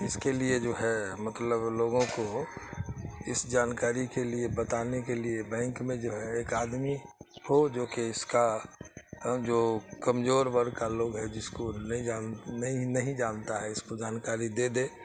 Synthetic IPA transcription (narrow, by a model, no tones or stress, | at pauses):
ɪskelied͡ʒoːɦɛmət̪ləbloːɡõko | ɪsd͡ʒaːnkaːɾikeliebət̪aːnekeliebɛ̃ːŋkmẽd͡ʒoːɦɛeːkaːd̪mihod͡ʒoːkeɪska | d͡ʒoːkɐmzoːɾbəɾkaloːɡɦɛd͡ʒɪskonɐɦĩd͡ʒaːnnɦĩnɐɦĩd͡ʒaːnt̪aɦɛɪskod͡ʒaːnkaːɾid̪eːd̪eː